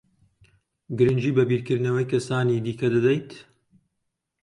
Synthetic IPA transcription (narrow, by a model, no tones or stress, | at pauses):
ɡɨɾɨnd͡ʒiːbɐbiːɾkɨɾd̪nɐwɐjkʰɐsaːniːd̪iːkʰɐd̪ɐd̪ɐjt̪